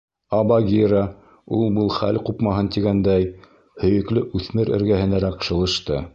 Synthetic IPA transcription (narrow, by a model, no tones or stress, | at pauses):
ɑbɑɡʲiɾɑ | ulˠbɤlˠχæ̰lqupmɑɦɤnt̪iɡænd̪æj | hɵ̆jɵ̆klɘʔʉθmɘɾɘ̰̆ɾɡæhɘ̆næɾæqʃɤ̆lˠɤ̆ʃt̪ɤ̰